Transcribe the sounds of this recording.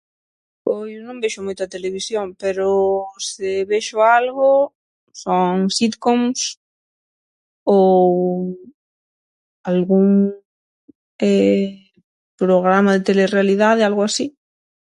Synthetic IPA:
ojonõmbeʃomujt̪oat̪eleβ̞isjoŋpeɾoseβeʃoalɣo | soŋsit̪koms | o | alɣuŋ | e | pɾoɣ̞ɾamaðet̪elerealið̞aðealɣoasi

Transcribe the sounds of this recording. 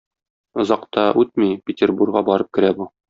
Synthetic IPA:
ŏzɑqt̪ɑʔʉt̪̚mipʲɪtʲerburɡʁɑbɒɾɤp̚kɘ̆ɾæbu

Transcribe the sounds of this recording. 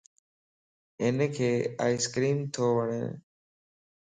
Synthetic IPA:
ɪnkʰeːa̰ːɪskɾiːmt̪ʰoːʋəɳḛː

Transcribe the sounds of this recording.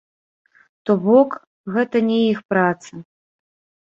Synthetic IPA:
t̪ɔbɔk | ɣɛt̪ɐnʲɛjixpɾat̪sɐ

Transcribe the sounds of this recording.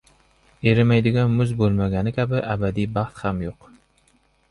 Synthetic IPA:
eɾɪmæjd̪ɪɡʲɛnmʊzbolˠmæɡʲænɪkʲʰæbɪʔæbæd̪ijbɑχt̪χæmjoq

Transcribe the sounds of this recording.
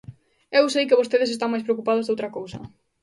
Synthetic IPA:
ewsejkɪβost̪eðɪsest̪aŋmajs̬pɾeok̬upað̞ozðowt̪ɾɐkowsɐ̰

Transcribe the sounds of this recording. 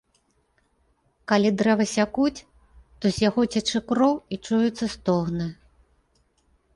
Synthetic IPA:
kalʲid̪ɾɛvɐsʲakut͡sʲ | t̪ɔzʲjaɣɔt͡sʲat͡ʂɨkɾɔwit͡ʂujut̪sːɐst̪ɔɣnɨ

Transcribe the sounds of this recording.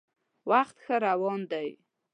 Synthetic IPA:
waxt̪xəɾawɑnd̪aj

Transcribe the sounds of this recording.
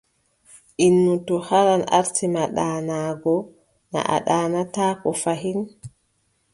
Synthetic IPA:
ʔinːutɔhaɾana̰ɾtimaɗaːnaːɡɔ | na̰ʔa̰ɗaːnataːkɔfaɦin

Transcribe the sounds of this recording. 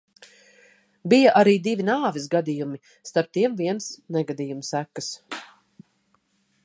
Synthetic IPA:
bijaʔaɾiːd̪ivinaːvisɡad̪ijumi | st̪aɾp̚t̪iɛmviɛnsnɛɡad̪iːjumsækːəs

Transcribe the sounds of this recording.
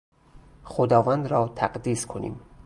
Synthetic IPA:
xod̪ɒːvænd̪ɾɒːt̪ʰæɢd̪iːskʰonḭːm

